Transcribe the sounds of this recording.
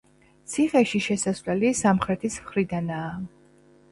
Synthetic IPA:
t̪sʰiχɛʃiʃɛsasvlɛlisamχɾɛt̪ʰismχɾid̪anaː

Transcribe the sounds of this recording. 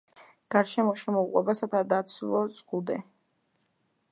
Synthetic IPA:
ɡ̥aɾʃɛmɔʃɛmɔuqʼwɛ̰basat̪ʰad̪at̪sʰlˠɔsʼχud̪ɛ

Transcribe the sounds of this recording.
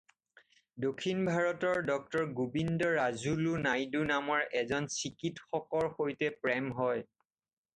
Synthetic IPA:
dokʰːinbʱaɹɔtɔɹdɔk̚tɔɹɡubindɔɹazulunajdunamɔɹɛzɔnsikitxɔkɔɹxojtɛpɹɛmɦɔj

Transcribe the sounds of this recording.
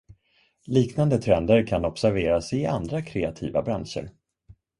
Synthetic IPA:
liːknand̪ət̪ʰɾɛnd̪əɾkʰanɔpsæɾveːɾasɪa̰nd̪ɾakʰɾeat̪ʰḭːva̰bɾanʂə̰ɾ

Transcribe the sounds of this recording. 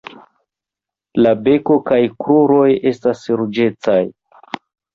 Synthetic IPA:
labe̞ko̞kajkɾuɾo̞je̞stasɾud͡ʒe̞t͡saj

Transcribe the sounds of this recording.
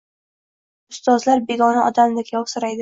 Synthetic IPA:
ʊst̪ɒzlaɾbe̞ɡɒnaɒd̪amd̪akʲʰjɒwsʊɾajd̪ɪ

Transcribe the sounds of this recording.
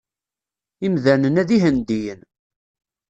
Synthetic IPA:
imðænənæðiɦənd̪ijən

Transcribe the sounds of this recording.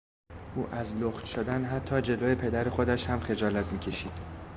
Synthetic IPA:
ʔuːʔæzloxt̪ʃod̪ænɦæt̪ʰːɒːd͡ʒe̞loːje̞pʰe̞d̪æɾexod̪æʃhæmxe̞d͡ʒɒːlæt̪ʰmiːcʰe̞ʃiːd̪̥

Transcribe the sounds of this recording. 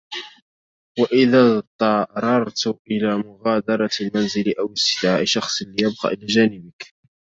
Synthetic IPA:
waʔɪðat̪ˤɑɾˤɑɾˤt̪ʔɪlaːmʊɣaːd̪ɑɾˤɑlmanzɪlʔawɪsːɪd̪ʕaːʔɪʃɑxsˤliːjab̚qɑ̰ːʔɪlaːʒaːnɪbɪk

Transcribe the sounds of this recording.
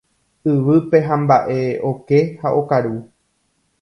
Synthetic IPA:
ɨʋɨpe̞ɦãmbaʔe̞o̞ke̞haʔo̞kaɾu

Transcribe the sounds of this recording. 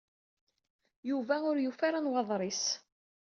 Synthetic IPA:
juvæʊɾjufaɾanwɑðˤɾˤis

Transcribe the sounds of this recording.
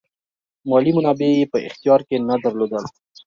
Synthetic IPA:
mɑlimʊnɑbejepəɪ̰xt̪ijɑɾkenad̪əɾlod̪əl

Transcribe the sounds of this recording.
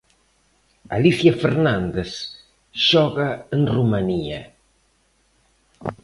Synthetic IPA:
a̰liθjafeɾnand̪es | ʃɔɣaənrumania̰

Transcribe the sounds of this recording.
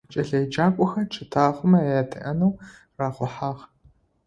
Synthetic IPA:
t͡ʃʼɐɮɐjd͡ʒaːkʷʼɔxɐʈ͡ʂʰɨtʰaːχʷʊmɐaːtʰɨ̰ʔɐnɐw | raːχʷʊħaːʁ

